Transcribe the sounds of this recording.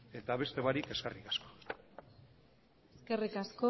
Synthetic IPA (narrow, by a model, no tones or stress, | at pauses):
e̞t̪aβe̞st̪e̞βaɾike̞skerikḁsko̞̥ | eske̞rikasko